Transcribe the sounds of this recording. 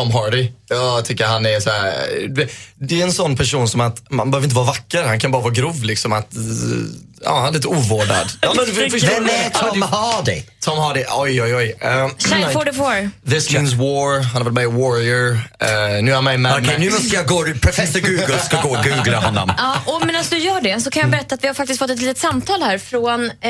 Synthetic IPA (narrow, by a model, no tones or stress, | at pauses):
tʰɔmɦɑːɖɪjɑːt̪ʰʏkːəɾhanɛɾsɔæːɾɛd̪ɛɾɛnsɔnːpʰæʂuːnsɔmat̪manbəøːvɾɪnt̪əɑːɾavakːəɾhankʰanbɑːɾavɑːɡɾuːvlɪksɔmat̪ | ɑ̰ːhanɛɪnt̪əuːvoːɖa̰d̪ɑmɛvɛnɛt̪ʰɔmhɑdɪ̰t̪ʰɔmhɑːɖɪʔɔjɔjɔjɛʃafɔɖɛfɔɾðɪsmns̬wɔːɹɦanavɛlmajəwɔɹɪəɹ | nʉ̟ːamaɪmɛɔɛnʉːmɔst̪əjaɡoːpʰɾɔfɛsːɔɾɡʉ̟ːɡəlskaɡoːɡʉ̟ːɡlaɦɔnːɔ̰mɑːʔɔmɛnasd̪ɵjœːɖɛsɔkʰanjabɛɾɛt̪ːaːt̪vɪhaɾfak̚t̪ɪskfɔt̪ːɛt̪liːt̪ət̪samt̪ʰɑːlhæːɾfɾon